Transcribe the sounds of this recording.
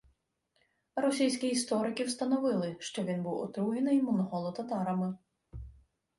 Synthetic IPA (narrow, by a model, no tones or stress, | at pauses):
ɾɔsʲijsʲkʲiːst̪ɔɾɪkɪwst̪ɐnɔʋɪlˠɪʃt͡ʃɔʋʲinbuwɔ̰t̪ɾuɦɪnɪjmɔnɔɦɔlˠɔt̪ɐt̪ɑɾɐmɪ